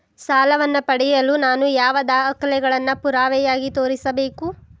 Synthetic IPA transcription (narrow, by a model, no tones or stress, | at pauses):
saːlɐʋɐnːɐpɐɽɛjɐlunaːnujaːʋɐd̪aːɐkɐlɛɡɐɭɐnːɐpuɾaːʋɛjaːɡit̪o̞ːɾisɐbeːku